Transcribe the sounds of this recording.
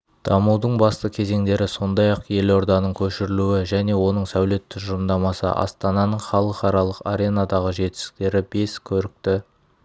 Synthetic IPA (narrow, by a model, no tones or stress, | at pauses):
d̪̥ɑmud̪əɴbɑst̪əkʲʰe̞ze̞ŋd̪e̞ɾɪso̞nd̪ɑjɑqje̞lo̞ɾd̪ɑnəɴkʲʰɵʃɪɾɪluɪʒæne̞wo̞nəɴsæwle̞t̪ːʏʒʊɾəmd̪ɑmɑsə̰ʔɑ̰st̪ɑnɑnəɴχɑlˠəqɑɾɑlˠəqa̰ɾʲe̞nɑd̪ɑʁəʒe̞t̪ɪ̥st̪ɪ̥k̚t̪e̞ɾɪbe̞skʲʰɵɾɪk̚t̪ɪ